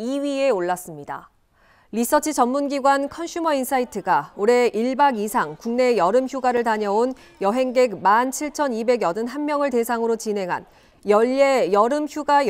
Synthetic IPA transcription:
iɥie̞oɭːas͈ɯmɲida̰ | lis͈ʌt͡ɕʰit͡ɕʌmːunɡiɡwankʰʌnɕʰumʌinsʰaitʰɯɡaoɾe̞ʔiɭbaɡisʰaŋkuŋne̞jʌɾɯmçjuɡaɾɯɭtaɲʌon | jʌɦeŋɡe̞kmant͡ɕʰiɭt͡ɕʰʌnibe̞ɡjʌdɯnɦanmjʌŋɯɭte̞sʰaŋɯɾot͡ɕine̞ŋɦa̰n | jʌʎːe̞jʌɾɯmçjuɡaj

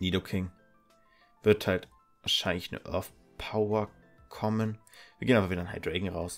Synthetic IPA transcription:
niːdokʰɪŋ | v̥ɪɐthalt | vaɐʃaɪnlɪçnə̰ʔœ̰ɐθ | pʰaʊɐ | kʰɔmənv̥iːɐɡeːnaːbɐviːdɐanha̰ɪdʁeɪɡŋ̩ʁaʊs

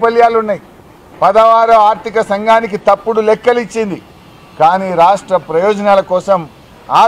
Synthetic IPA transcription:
pɐljaːlunːaj | pɐd̪ɐʋaːɾɐaːɾt̪ikɐsɐŋɡaːnik̬it̪ɐpːuɽulɛkːɐlit͡ʃːind̪i | kaːniːɾaːʂʈɾɐpɾɐjɔːd͡ʒɐnaːlɐkɔːsɐm | aː

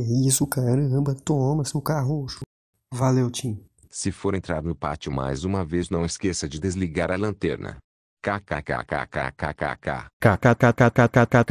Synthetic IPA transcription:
ɛisʊkaɾə̃bɐt̪omɐsewkaɦoʃʊ | valewt͡ʃĩ | sɪfoɾẽnt̪ɾaɾnʊpa̰t͡ʃɪma̰jzũmɐveznɐ̃w̃ɪskesɐd͡ʒɪd̪ezliɡaɾɐlɐ̃t̪ɛɾnɐ̰ | kakaka̰ka̰kakaka̰ka̰kakakakakakaka

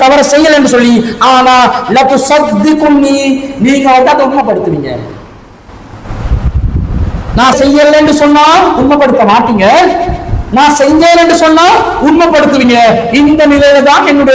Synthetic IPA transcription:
t̪ɐʋɐɾɐ̃sɛjːɐlɛɳɖrɯsɔlːiaːnaːlɐt̪ʊsɐd̪ːɪkʊnːiːniːŋɡɐʋɐnd̪aːɐnd̪ɐʊɳmɐpːɐɽɯt̪ːɯʋiːŋɡɐ̰ | nãːsɛjːɐlɛnɖɯsɔnːaːʊɳmɐpːɐɽɯt̪ːɐmaːʈːiːŋɡɐ | nãːsɛjd͡ʒɐːlɛɳɖɯsɔnːaːʊɳmɐpːɐɽɯt̪ːɯʋiːŋɡɐ | ɪnd̪ɐnɪlɐjɪlt̪ãːnɛnːʊɽɐ

